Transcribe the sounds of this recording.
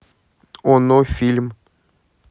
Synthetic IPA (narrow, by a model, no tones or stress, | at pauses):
onofʲilʲm